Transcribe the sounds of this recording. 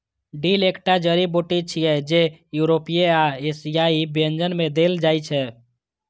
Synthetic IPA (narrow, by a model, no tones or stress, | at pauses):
ɖilekʈad͡ʒəɾiboʈit͡ʃʰijɛd͡ʒejuɾopijeaesijaibiənd͡ʒənmed̪eld͡ʒajt͡ʃʰɛ